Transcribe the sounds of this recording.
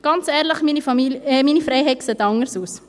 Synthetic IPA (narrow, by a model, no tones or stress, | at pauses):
ɡ̥ɑnt͡sɛːɾləχminifɑimiːnifɾɛɪɦɛkseːt̪ɑŋəɾsuːs